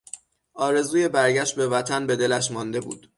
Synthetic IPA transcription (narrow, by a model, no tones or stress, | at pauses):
ʔɒːɾe̞zuːje̞bæɾɟæʃt̪̚be̞væt̪ʰænbe̞d̪e̞læʃ̬mɒnd̪e̞bṵːd̪̥